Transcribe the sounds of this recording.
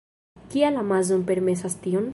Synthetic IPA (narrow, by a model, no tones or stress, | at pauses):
kialamazonpe̞ɾme̞sastion